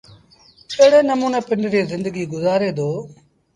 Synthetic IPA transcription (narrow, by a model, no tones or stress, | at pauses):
keɦɽeːnəmuːneːpɪ̃ɲd͡ʒɾiːzɪ̃nd̪əɡiːɡʊzaːɾeːd̪oː